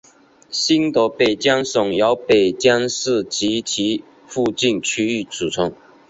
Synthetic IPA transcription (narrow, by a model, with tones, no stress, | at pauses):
ɕi˥nt̪ɔ˧˥pe˨˩ɪt͡ɕjɑ˥ŋsʊ˨˩ŋjɑ˧˦ʊpe˨˩ɪt͡ɕjɑ˥ŋsɻ̩˥˩t͡ɕi˧˥t͡ɕʰi˧˥ | fu˥˧t͡ɕi˥˨nt͡ɕʰy˥y˥˩t͡su˨˩t͡sʰʊ˧˥˦ŋ